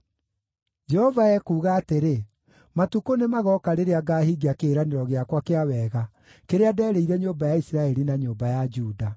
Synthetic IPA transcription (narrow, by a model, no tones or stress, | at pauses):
d͡ʒɛhɔvaɛkuːɣaːteɾe | matukonemaɣɔkaɾeɾeaɡaːhiɡiakeːɾaneɾɔɣeakwakeawɛːɣa | keɾeadɛːɾeiɾɛɲombajaisiɾaɛɾinaɲoːmbajad͡ʒuːda